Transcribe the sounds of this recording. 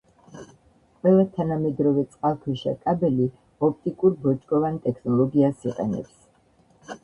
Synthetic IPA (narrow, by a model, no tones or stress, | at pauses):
qʼwɛlˠat̪ʰanamɛd̪ɾɔvɛt̪sʼqʼalˠkʰwɛʃa̰kʼabɛli | ɔp̚ʰt̪ʼikʼuɾbɔt͡ʃʼɡʼɔvant̪ʼɛkʰnɔlˠɔɡiasiqʼɛ̰nɛ̰ps